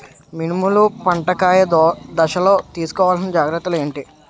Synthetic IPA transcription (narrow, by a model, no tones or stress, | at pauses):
minimulupɐɳʈɐkaːjɐd̪ɐʃɐlo̞ːt̪iːsu̥kɔːʋaːlsɐnɐd͡ʒaːɡɾɐt̪ːulue̞ːɳʈi